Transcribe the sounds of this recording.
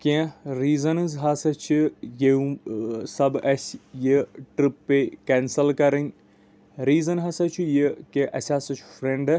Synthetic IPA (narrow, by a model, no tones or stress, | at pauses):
kʲẽɾiːzɐnɨzɦaːsɐt͡ʃʰijeũsɐbɐsʲjəʈɾipːekɛːnsɐlkɐɾɐnʲ | ɾiːzɐnɦɐsɐt͡ʃʰujikeʔɐsʲaːsɐt͡ʃʰu̥fɾeɳɖɨ